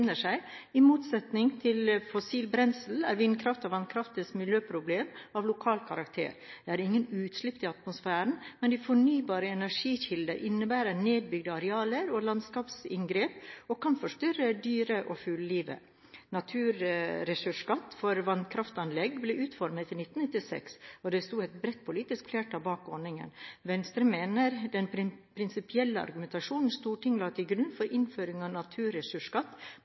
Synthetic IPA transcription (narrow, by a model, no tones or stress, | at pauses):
nəʂæɪɪmuːt̪sɛt̪nɪŋt̪ʰɪlfɔsiːlbɾɛnsl̩æ̰ɾʋɪnkʰɾɑft̪ɑʋɑnkʰɾɑft̪ɪsmɪljøːpʰɾʊbleːmɑʋlʊkʰɑːlkʰɑɾɑkt̪ʰḛːɾd̪̥ɛæɾɪŋːənʉːt̪slɪpːt̪ɪɑt̪mʊsfæːɾəɳ̩mɛnd̪ɪfɔɳyːbɑːɾəɛnæʂiːçɪld̪əʔɪnːəbæːɾəneːd̪̚bʏɡd̪əɑɾɛɑːləɾɔlɑnskɑːpsɪ̰ŋɡɾeːpɔkʰɑnfɔʂt̪ʏɾəd̪yːɾəʔɔfʉlliːʋə̰ | nɑt̪ʰʉːɾɾɛsʉʂkɑt̪ːfɔɾʋɑnkʰɾɑft̪ɑnlɛɡblɛʔʉːt̪fɔɾmət̪ɪnɪt̪ːn̩nɪt̪ːɪsɛ̰ksɔd̪ɛst̪uːɛt̪bɾɛt̪̚ːpʰʊliːt̪ɪskflæːʈɑbɑːkɔɳɪŋə̰nʋɛnst̪ɾəmeːnəɾd̪ɛnpʰɾɪnsɪpɪɛlːəɑ̰ɾɡʉmɛnt̪ɑʂuːnn̩st̪uːʈʰɪŋlɑːt̪ʰɪlɡɾʉnfɔɾʔɪnføːɾɪŋɑnɑt̪ʰʉːɾɛsʉʂkɑt̪ː